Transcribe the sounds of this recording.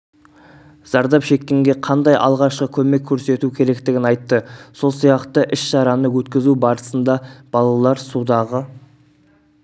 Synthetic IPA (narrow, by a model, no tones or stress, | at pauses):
z̥ɑɾd̪ɑpʃe̞kʲːe̞ŋɡʲe̞qʰɑnd̪ɑjʔɑ̰lˠʁɑʃqəkʲʰɵme̞kʲʰːɵɾse̞t̪ukʲʰe̞ɾe̞kt̪ɪɡʲɪnɑjt̪ːəso̞lˠsijɑqt̪əʔɪʃʃɑɾɑnəwɵt̪kʲɪzubɑɾəsənd̪ɑb̥ɑlˠɑlˠɑɾsud̪ɑʁə